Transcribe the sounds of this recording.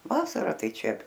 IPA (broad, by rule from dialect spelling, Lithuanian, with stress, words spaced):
ˈʋɑːsɐrɐ ˈtɐɪ ˈt͡ʃʲɛ